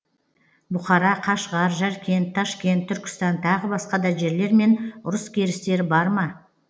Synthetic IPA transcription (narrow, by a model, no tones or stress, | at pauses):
bʊχɑɾɑqʰɑʃʁɑɾʒæɾkʲʰe̞nt̪ʰːɑʃkʲe̞nt̪ʰːʏɾkʲɪ̥st̪ɑnt̪ʰɑʁəbɑsqɑd̪ɑʒe̞ɾle̞ɾme̞nʊɾəskʲʰe̞ɾɪst̪e̞ɾɪbɑɾmɑ